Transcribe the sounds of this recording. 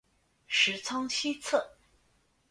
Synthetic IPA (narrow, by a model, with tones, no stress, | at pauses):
ʂɻ̩˧˥t͡sʰɑ˥ŋt͡ɕʰi˥t͡sʰɤ˥˩